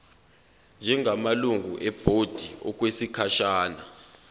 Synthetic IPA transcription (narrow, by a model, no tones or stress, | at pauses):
nd͡ʒʱɛŋʱamaluŋɡʱṵʔɛb̥ʱod̥ʱiɔk̬wesikʰaʃaːna